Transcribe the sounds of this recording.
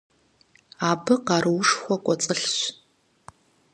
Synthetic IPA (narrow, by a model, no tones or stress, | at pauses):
aːbɨqɑːɾɨwʊʂxʷɔkʷʼɔt͡sʼəɬɕ